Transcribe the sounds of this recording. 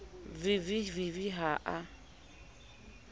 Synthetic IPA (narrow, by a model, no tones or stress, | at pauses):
viviviviɦaʔa